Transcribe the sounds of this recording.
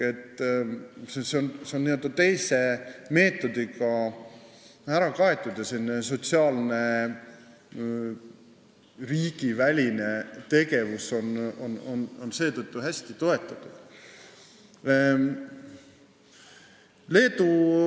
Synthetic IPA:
e̞t̪ːˑ | seseonseonniø̞ld̪ɑt̪e̞jse̞me̞ːt̪ːˑo̞d̪̥iɡɑ | æɾɑkɑe̞t̪ˑːud̪̥jɑsenːes̬o̞t̪siɑːlne̞ | riːɡ̥ivælʲinet̪e̞ɡe̞vuso̞no̰no̰nonse̞ːt̪ɤt̪ˑːuɦæsʲt̪it̪o̞e̞t̪ːˑɑt̪ːˑud̪̥ | le̞ːd̪u

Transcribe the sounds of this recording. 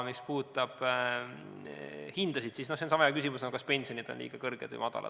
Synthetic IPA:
mispuːt̪ːˑɑb̥ | hind̪̥ɑsid̪sisnosensɑmɑjɑkysimusnɑokɑspe̞nʲsionid̪̥o̞nlḭːɡ̥ɑkɤrɡ̥ed̪vɨ̰jmɑd̪̥ɑ̰lʔɑ̰̥

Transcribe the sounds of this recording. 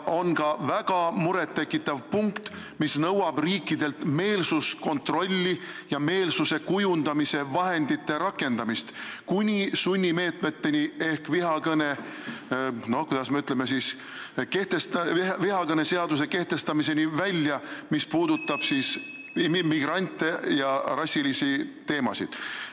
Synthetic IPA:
o̞nkɑvæɡ̥ɑmuɾe̞t̪ːe̞kːˑit̪ːˑɑvpuŋkt̪ | misnɤwɑb̥riːkːˑid̪e̞lt̪me̞ːlsusko̞nt̪ro̞lʲːi | jɑme̞ːlsuse̞kujund̪̥ɑmise̞vɑɦe̞nd̪it̪ːe̞ɾɑkːˑe̞nd̪̥ɑmist̪kunʲisunʲːime̞ːt̪me̞t̪ːe̞nie̞hkviɦɑkɤne̞ | no̞hkujd̪̥ɑsmeyt̪leme̞sis | ke̞ht̪est̪viɦɑkɤne̞se̞ɑd̪us̬e̞ke̞ht̪e̞st̪ɑmis̬e̞nivælʲjɑmispuːd̪ut̪ːˑɑb̥siːs | mimiɡ̥rɑnʲt̪ːˑejɑrɑsʲːilisit̪e̞ːmɑ̰sḭd̪̥

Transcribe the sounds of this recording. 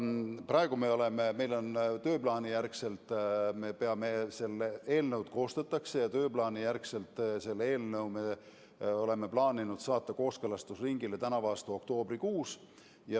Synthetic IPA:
prɑe̞ɡ̥ume̞o̞le̞meme̞jlo̞nt̪ø̞ːplɑːnijærkse̞lt̪ˑme̞pe̞ɑmese̞lːee̞ːlnəwd̪̥̚ko̞ːst̪ɑt̪ːˑɑkse̞jɑt̪ø̞ːplɑːnijærkse̞lt̪ːˑse̞lːee̞ːlnɤwme̞ | o̞le̞me̞plɑːninud̪̥sɑːt̪ːˑɑko̞ːskelɑst̪usriŋɡ̥ile̞t̪ænɑvɑːst̪uo̞kt̪o̞ːb̥rikuːs | jɑ

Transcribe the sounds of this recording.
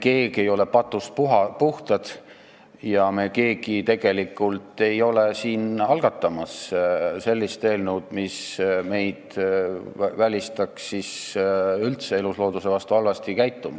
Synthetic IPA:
ke̞ːɡ̥e̞jo̞le̞pɑt̪ːˑus̚puɦɑpuht̪ɑd̪̥ | jɑme̞ke̞ːɡ̥it̪e̞ɡ̥e̞likːˑult̪ːˑe̞jo̞lesiːnɑlɡ̥ɑt̪ˑːɑmɑsse̞lʲːist̪e̞ːlnuwd̪̥misme̞jd̪̥ | vælʲist̪ɑksis | ylt̪se̞eluslo̞ːd̪̥use̞vɑst̪uɑlvɑst̪ikæjt̪ːˑumɑ

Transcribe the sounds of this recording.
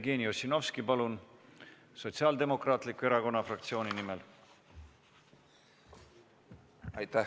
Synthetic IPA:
ɡ̥e̞ːniosino̞fskipɑlun | so̞t̪siɑːld̪e̞mo̞krɑːt̪ˑlikue̞ɾɑko̞nːɑfrɑkt̪sio̞ːninimel | ɑjt̪æ

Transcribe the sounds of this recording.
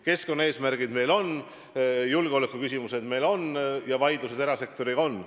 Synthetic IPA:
ke̞sko̞nːɑe̞ːsmæɾɡ̥id̪me̞jlo̞n | julɡ̥eo̞lekːˑukys̬ʲimuse̞d̪̥me̞jlo̞njɑvɑjd̪̥use̞d̪eɾɑse̞k̚t̪o̞ɾiɡ̥ɑo̞n

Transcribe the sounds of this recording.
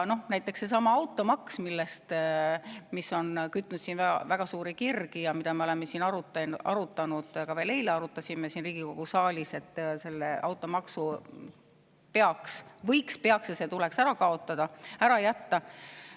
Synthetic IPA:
no̞hnæjt̪ːˑe̞ksːe̞s̬ɑmɑɑwt̪ːˑo̞mɑksmilːest̪ | misːo̞nkyt̪ːnut̪siːnvæ̰væɡ̥ɑsuːɾikirɡijɑmid̪ɑmeo̞le̞mːesiːnɑɾut̪ːˑʔɑ̰ɾut̪ːˑɑnud̪̥kɑveːle̞jleɑɾut̪ːˑɑsʲimesiːnriːɡ̥iko̞ɡ̥usɑːlʲise̞t̪ːse̞lːeʔɑ̰wt̪ːˑo̞mɑksu | pe̞ɑksvɤjkspe̞ɑksjɑse̞t̪uleksæɾɑkɑo̞t̪ːˑɑd̪̥ɑæɾɑjæt̪ːɑ

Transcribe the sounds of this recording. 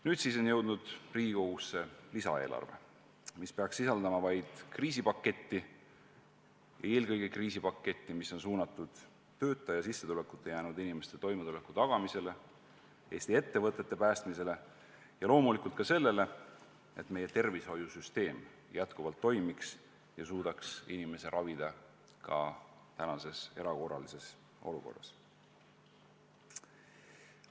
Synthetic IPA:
nyːd̪̥sis̬o̞njɤwd̪̥nud̪̥riːɡiɡoɡusːe̞lisɑ̰e̞ːlʔɑ̰rvḛ | mispe̞ɑksːisɑld̪ɑmɑvɑjd̪̥kriːsipɑkːe̞t̪ːi | jʔɑ̰e̞ːlɡɤjɡ̥ekriːsipɑkːe̞t̪ːimiso̞nsuːnɑt̪ːˑud̪̥ | t̪ø̞ːt̪ːˑɑjɑsisːe̞t̪ule̞kːˑu̥t̪ːˑejæːnud̪inime̞st̪e̞t̪o̞jmet̪ulekːˑut̪ɑɡ̥ɑmise̞le̞ | e̞ːst̪ie̞t̪ːe̞vɤt̪ːˑe̞t̪ːe̞pæːst̪mise̞le̞ | jɑlo̞ːmulikult̪kɑse̞lːe̞le̞ | e̞t̪me̞je̞t̪e̞rvisho̞jusyst̪e̞ːm | jæt̪kuvɑlt̪ːo̞jmiks | jɑsuːd̪̥ɑksinime̞se̞ɾʔɑvid̪̥ɑ | kɑ̰ | t̪ænɑse̞se̞̰ɾɑko̞rɑ̰lise̞s | ʔo̞̰luko̞̰rːɑ̰s

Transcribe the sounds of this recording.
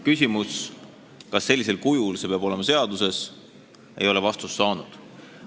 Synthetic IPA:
kysʲimus | kɑsːe̞lʲːise̞lkujulse̞peɑb̥o̞lemɑse̞ɑd̪̥use̞s | e̞̰jo̞levɑst̪usːɑːnud̪̥

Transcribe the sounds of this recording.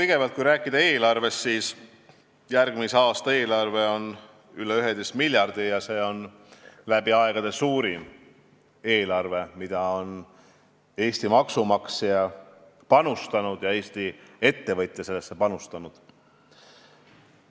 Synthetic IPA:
t̪ijɡ̥e̞vɑlt̪̚kujɾæːkːˑid̪̥ɑe̞ːlɑrve̞st̪siːs | jærɡ̥miseɑːst̪ɑe̞ːlɑrve̞o̞n | yleyɦed̪est̪milʲjɑrd̪̥ijɑse̞ːo̞n | læb̥iɑeɡ̥ɑd̪e̞suːɾim | e̞ːlɑrve̞mid̪̥ɑo̞n | e̞ːst̪imɑksumɑksijɑ | pɑnust̪ɑnud̪̥jɑe̞ːst̪ie̞t̪ːe̞vɤt̪ʲːˑjese̞lːesːepɑnust̪ɑnud̪̥

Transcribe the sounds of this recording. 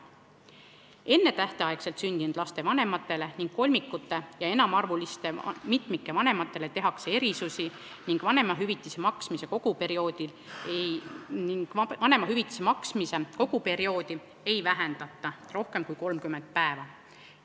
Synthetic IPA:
e̞nːe̞t̪æht̪eɑekse̞lt̪synd̪̥inud̪lɑst̪e̞vɑne̞mɑt̪ːˑe̞le̞niŋɡ̥ko̞lʲmikːˑut̪ːˑe̞jɑenɑmɑrvulist̪e̞mit̪ˑmikːe̞vɑne̞mɑt̪ːˑe̞le̞t̪e̞ɦɑkse̞e̞ɾisusi | niŋɡ̥vɑne̞mɑɦyvit̪ːˑisemɑksmise̞ko̞ɡ̥upe̞ɾio̞ːd̪̥il | niŋɡ̥ɑne̞mɑɦyvit̪ːˑi̥semɑksmise̞ko̞ɡ̥upe̞ɾio̞ːd̪̥i | ejvæɦend̪̥ɑt̪ˑːɑro̞hke̞mkujko̞lmkymːe̞nd̪̥̚pæevɑ

